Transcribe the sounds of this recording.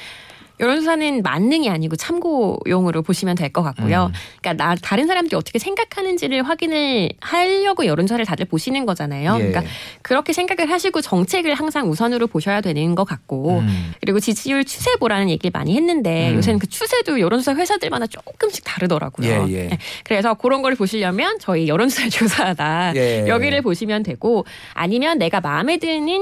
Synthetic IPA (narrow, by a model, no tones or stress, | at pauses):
jʌɾonsʰusʰanɯnma̰nːɯŋiaɲiɡot͡ɕʰamɡojoŋɯɾopoɕʰimjʌndwe̞ɭk͈ʌk͈ak̚k͈ojoik͈anataɾɯnsʰaɾamdɯɾiʌt͈ʌkʰesʰe̞ŋɡakʰanɯnd͡ʑiɾɯɭɸwaɡinɯɭhaʎːʌɡojʌɾonsʰusʰaɾɯɭtadɯɭpoɕʰinɯnɡʌd͡ʑanajoik͈akɯɾʌkʰe̞sʰe̞ŋɡaɡɯɭɦaɕʰiɡot͡ɕʌŋt͡ɕʰe̞ɡɯɭhaŋsʰaŋusʰʌnɯɾopoɕʰʌjadwe̞nɯnɡʌk͈ak̚k͈okɯɾiɡot͡ɕid͡ʑʰiuɭt͡ɕʰu̥sʰe̞boɾanɯnjeɡiɭma̰ɲihenːɯnde̞jo̰s̬ʰenɯnkɯt͡ɕʰusʰe̞dojʌɾonsʰusʰaɸwe̞sʰadɯɭmanat͡ɕ͈ok͈ɯmɕ͈ʰi̥k̚taɾɯdʌɾa̰ɡ̥ujo̰ekɯɾesʰʌkɯɾʌnɡʌɾɯɭpoɕʰiʎjamjʌnt͡ɕʌijʌɾɯnsʰusʰaet͡ɕosʰadajjʌɡiɾɯɭpoɕʰimjʌndwe̞ɡo | a̰ɲimjʌnːe̞ɡamame̞dɯnin